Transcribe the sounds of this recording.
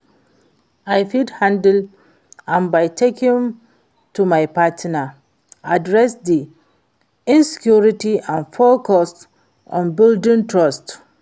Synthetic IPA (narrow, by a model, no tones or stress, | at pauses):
aɪfidhãndl | ãnbaɪtʰekɪ̃m | tumaɪpʰatna | adɹɛsdi | ɪ̃nsi̥kʰjuɹitiʔãnfɔkʰɔst | ɔ̰̃nbɪldɪ̃ntʰɹɔst